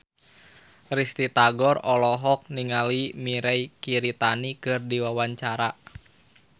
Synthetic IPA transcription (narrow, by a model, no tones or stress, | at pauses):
rist̪it̪aɡɔrɔlɔɦɔk̚niŋalimiɾɛikiɾit̪anikɨrdiwawaɲt͡ʃaɾa